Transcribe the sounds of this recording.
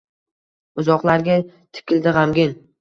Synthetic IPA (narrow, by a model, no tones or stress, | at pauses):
ʊzɒqlˠaɾɡʲa | t̪ʰɪ̥kʲɪld̪ɪʁamɡʲɪn